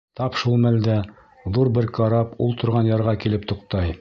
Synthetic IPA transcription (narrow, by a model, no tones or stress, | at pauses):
t̪ɑpʃulˠmæld̪æ | ðuɾbɘɾkɑɾɑpṵlˠt̪ŏɾʁɑnjɑɾʁɑkilɘp̚t̪ŏqt̪ɑj